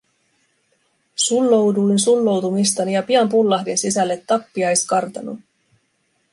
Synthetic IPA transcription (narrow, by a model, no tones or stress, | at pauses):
sulːo̞wdujnsulːo̞wt̪umist̪ɑnijɑpiɑmpulːɑhdensisælːe̞t̪ːɑpːiɑjskɑrt̪ɑnṵ